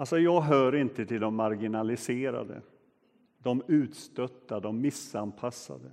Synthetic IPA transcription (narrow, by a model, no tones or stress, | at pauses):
alsɔjɑːɡɦœːɾɪnt̪ət̪ʰɪld̪ɔmːaɾɡɪnalɪseːɾa̰d̪ə̰ | d̪ɔmʉ̟ːt̪st̪œt̪ːad̪ɔmːɪsanpʰasːa̰d̪ə